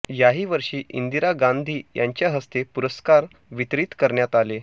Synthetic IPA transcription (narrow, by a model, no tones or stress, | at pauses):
jaɦiːʋəɾʂiːʔḭnd̪iɾaɡand̪ʱiːjaɲt͡ɕjaɦəst̪epuɾəskaɾ | ʋit̪ɾiːt̪kəɾɳjat̪ale